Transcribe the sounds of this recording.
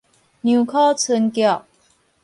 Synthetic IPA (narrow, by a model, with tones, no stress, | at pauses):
nju˨˩kʰɔ˥t͡sʰə˧˥nkjɑ˥˩